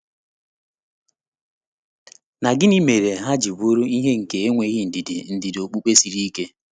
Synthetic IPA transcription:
na˨ɡɪ˦ni˦me˨ɾe˨ɦa˦d͡ʒi˨bu˦ɾu˦i˦ɦe˦ŋ̩˨ke˨e˦ŋʷe˨˦ɣɪ˦n̩˨dɪ˨dɪ̰˨n̩˨dɪ˨do˨k͡pu˦k͡pe˦si˨ɾi˦ke˦

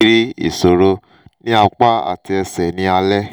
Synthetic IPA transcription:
ɾi˦ḭ˨so˨ɾo˧ | nĩ˦a˧k͡pa˦a̰˨ti˧ɛ˧sɛ˨nĩ˨˦a˧lɛ˦

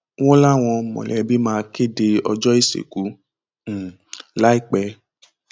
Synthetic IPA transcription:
w̃ɔ̃˦la˦w̃ɔ̃˧mɔ̰̃˨lɛ˨˦bi˦mãː˧ke˦de˧ɔ˧d͡ʒɔ˦i˦˨sḛ˨ku˨˦˨ | la˨˦i˦˨k͡pɛ˧

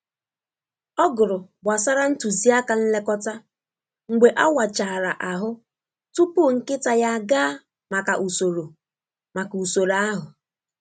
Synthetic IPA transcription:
ɔ˦ɡʊ˨ɾʊ˨ba˨sa˦ɾa˦n̩˦tu˨zi˦a˦ka˨n̩˦le˦kɔ˦ta˦ | ŋ̩˨ɡ͡be˨ʔa˦wa˨t͡ʃa˨ɾa˨ʔa˨ɦʊ˦ | tu˦pu˦˨ŋ̩˦kɪ˦ta˨ja˦ɡa˦ | ma˨ka˨ʔu˨so˨ɾo˨ | ma˨ku˨so˨ɾa˦ɦʊ˨

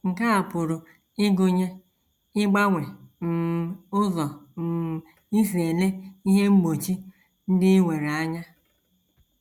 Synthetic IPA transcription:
ŋ̩˨ka˦a˨pʊ˨ɾʊ˨ | ɪ˦ɡʊ˦ɲe˦ | ɪ˦ɡ͡ba˦ŋʷe˨n̩˨ʊ˦zɔ˨n̩˨ | i˦si˨e˨le˦i˦ɦe˦ŋ͡m̩˦ɡ͡bo˨t͡ʃi˦ | n̩˦dɪ˦wʷe˨ɾe˨a˦ɲa˦

